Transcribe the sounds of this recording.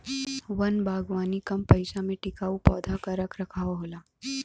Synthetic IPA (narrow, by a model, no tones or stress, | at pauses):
ʋɐnbʱaːɡʋaːnikɐmpɐɪsamẽʈɪkaːupɔːd̪ʱakaɾɐkʰɾɐkʰaːoɦoːlaː